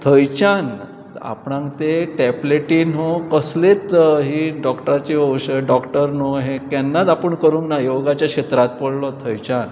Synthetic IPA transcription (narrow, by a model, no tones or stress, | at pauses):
t̪ʰəjt͡ɕan | a̰pɳãŋkt̪eʈɛbleʈiːnɦokəslet̪ɦiːɖɔkʈəɾat͡ɕiəwɕəɖɔkʈəɾnoɦekanːat̪apəɳkəɾũŋknajoɡat͡ɕjakɕet̪ɾat̪pəɽlɔt̪ʰəjt͡ɕan